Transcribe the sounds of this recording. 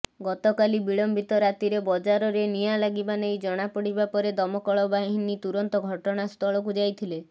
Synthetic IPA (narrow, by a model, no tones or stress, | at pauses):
ɡɔt̪ɔkalibiɭɔmbʱit̪ɔɾat̪iɾebɔd͡ʒaɾɔɾenijalaɡibanejd͡ʒɔɽ̃apɔɽibapɔɾed̪ɔmɔkɔɭɔbaɦinit̪uɾɔnt̪ɔɡʱɔʈɔɽ̃ast̪ʰɔɭɔkud͡ʒajt̪ʰile